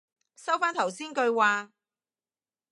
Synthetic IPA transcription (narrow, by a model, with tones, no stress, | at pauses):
sɐ˥wfaː˥nt̪ʰɐ˨˩wsiː˥nkɵ˧ɥwaː˨˧